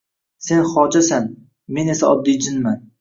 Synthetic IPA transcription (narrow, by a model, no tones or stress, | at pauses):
se̞nχɒːd͡ʒasan | me̞ne̞saɒd̪ːid͡ʒɪnman